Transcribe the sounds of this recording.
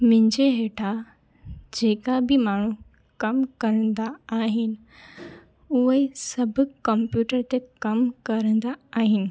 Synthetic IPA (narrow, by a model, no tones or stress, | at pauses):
mɪ̃ɪ̃ɲd͡ʑeɦeːʈʰa | d͡ʑeːkabʱimaːɳ̤u | kɐmkɐɾə̃nd̪aːɦɪnɪ̆ | uəisɐbʱkəmpjuːʈəɾt̪ekɐmkɐɾə̃nd̪aːɦɪnɪ̆